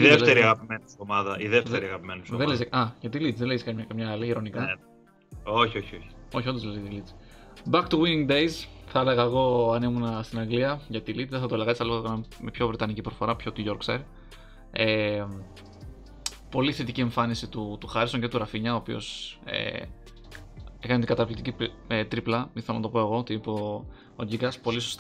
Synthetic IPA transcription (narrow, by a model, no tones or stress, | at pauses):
iðet̪eɾiɐɣɐpimenisomɐðɐʔiðeftðeɾiɐɣɐpimensðelesɐʝɐt̪̬ilit͡sðeleiskɐɐkɐmɲɐɐliiɾo̞nikɐ | oçioçioçi̥o̞çio̞nd̪ozlezɐt̪ilit͡s | bɐk̚t̪uwiniŋd̪ejzθɐeleɣɐeɣo̞ɐnimunɐst̪inɐɡliɐʝɐt̪ilit͡sðeθɐt̪oelɐɣɐsθɐlkɐnɐmepço̞vɾet̪ɐnicipɾofo̞ɾɐpço̞t̪uʝo̞ɾksɐ̰ɾ | e | po̞liθe̞t̪icie̞ɱfɐnisit̪ut̪uxɐɾiso̞ŋce̞t̪uɾɐfiɲɐoːpio̞̰sḛ | ekɐnt̪iŋɡɐt̪ɐvlit̪icip | et̪ɾiplɐiθelonɐt̪o̞po̞eɣo̞t̪ipo | oʝiɡɐspo̞lisost̪